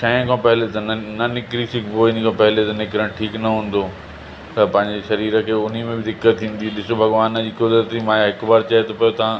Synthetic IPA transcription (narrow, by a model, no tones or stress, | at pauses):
ʃɐ̃kʰãːpɐɦɪlet̪ɐnɐnɪkɾisɪkboːɪnikʰãːpɐɦɪlet̪ɐnɪkɾəɽ̃ʈʰiːknɐɦũːn̆d̪o | t̪ɐpɐ̃ɦɪ̃ɲd͡ʑeʃɐɾiːɾəkʰeːʊn̤imẽbɪd̪ɪkːət̪ʰːĩːn̆d̪iɗɪsobʱɐɡʋaːnə̆d͡ʑiːkʊd̪ɾət̪imãːjaɦɪkbaːɾt͡ɕaɦet̪ʰopɐjot̪ɐã